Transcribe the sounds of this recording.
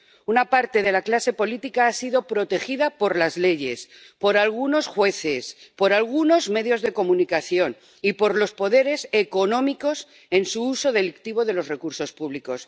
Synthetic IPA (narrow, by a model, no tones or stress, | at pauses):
unapaɾt̪e̞ð̞e̞laklase̞po̞lit̪ikaasiðo̞pɾo̞t̪e̞xiðapo̞ɾlazle̞ʝe̞s | po̞ɾalɣ̞uno̞sxwe̞θe̞spo̞ɾalɣuno̞zme̞ðjo̞zðe̞ko̞mũnikaθjo̞n | ipo̞ɾlo̞spo̞ðe̞ɾe̞se̞ko̞nõ̞miko̞s | e̞nsuuso̞ð̞e̞likt̪iβ̞o̞ðe̞lo̞zrekuɾso̞spuβliko̞s